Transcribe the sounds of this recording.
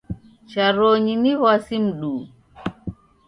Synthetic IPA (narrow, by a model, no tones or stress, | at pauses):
t͡ʃaɾoːɲiniwasimɗuː